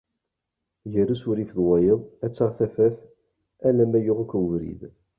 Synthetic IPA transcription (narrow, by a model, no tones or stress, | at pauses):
ʝəɾusʊɾifðwɑjəðˤæt͡sːaʁθæfæθ | ælæmæjʊʁækʷːvɾḭð